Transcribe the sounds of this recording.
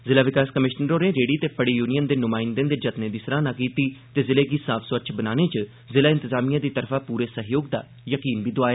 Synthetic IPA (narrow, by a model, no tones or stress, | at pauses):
zɪlaːʋɪkaːskəmɪʃnəɾoːɾẽːɾeːɽiːt̪eːpəɽiːjuːnijənd̪eːnʊmaːɪnd̪ẽːnd̪eːd͡ʒət̪neːd̪iːsɾãːnãːkiːt̪iːt̪eːzɪleːɡiːsaːpʰsʋəɾt͡ʃʰbənaːneːt͡ʃə | zɪlaːɪ̃nt̪ɪzaːmijãːd̪iːt̪əɾfʰãːpuːɾeːsəɦjoːɡ̚d̪a̰ː | jəkiːnbiːd̪oaːeː